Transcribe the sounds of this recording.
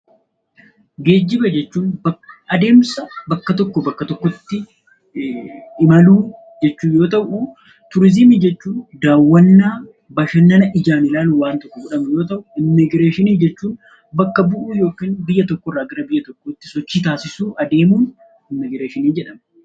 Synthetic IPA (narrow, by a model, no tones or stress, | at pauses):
ɡe̞ːd͡ʒːɪbɐd͡ʒɛt͡ʃːuːnbɐʔɐd̪e̞ːmsɐbɐkːɐt̪ɔkːɔbɐkːɐt̪ɔkːɔt̪ːɪ | ɪmɐluː | d͡ʒɛt͡ʃːuːjo̞ːt̪ɐʔu | t̪ʊɾɪzɪmid͡ʒɛt͡ʃːuːnd̪aːwːɐnːaː | bɐʃɐnːɐnɐʔɪd͡ʒaːmɪlaːnwaːnt̪ɔkːɔɡʊᶑɐmɛjo̞ːt̪̬ɐʔʊɪmːɪɡɾeːʃɪniːd͡ʒɛt͡ʃːuːn | bɐkːɐbʊʔuːjo̞ːkiːnbɪjːɐt̪ɔkːɔrːaːɡɐɾɐbɪjːɐt̪ɔkːoːt̪ːɪ̥sɔt͡ʃːiːt̪aːsɪsuːʔɐd̪eːmuːn | ɪmːɪɡɾeːʃɪniːd͡ʒɛᶑɐmɛ